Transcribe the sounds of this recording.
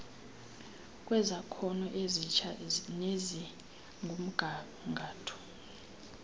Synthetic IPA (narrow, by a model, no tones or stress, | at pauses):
kʼwɛzakʰɔnɔʔezit͡ʃʰanezi | ŋɡʱum̩ɡ̥ʱa | ŋɡʱaːtʰɔ̥